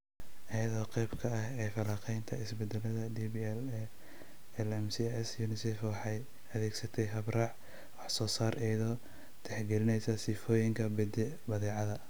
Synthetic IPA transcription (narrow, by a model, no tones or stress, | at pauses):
ʔɐjɐðɔːqɛjbkʰɐɐɦɛːfɐlaːqʰɛjnt̪ʰɐɪsbɛd̪ɛlɐðɐd̪iːbiɛl | ɛlɛmsiɛsjuːnɪsɛfwɑħɑj | ɐðɛːɡsɐt̪ʰɛjɦɐbrɑʕ | wɑħsɔːsaːɾʔɛjðɔː | t̪ʰɛħɡɛlɪnɛjsɐsifɔːjɪŋkʰɐbɛd̪ɛ | bɐðɛːʕɑðɐ